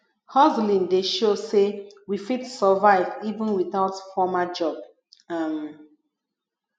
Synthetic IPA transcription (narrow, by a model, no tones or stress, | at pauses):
hɔzlĩndeʃosewifitsəvaɪvivə̃nwiθaʊtfɔmad͡ʒɔb̚ | am